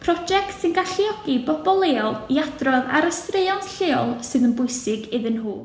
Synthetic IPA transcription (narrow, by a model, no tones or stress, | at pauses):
pʰrɔd͡ʒɛktsɪnɡaɬiɔɡibɔbɔlˠeːlˠiadrɔða̰ɾəstreɨɔnsɬeːɔlˠsɨːðənbʊɨsɪɡɪðɨnɦuː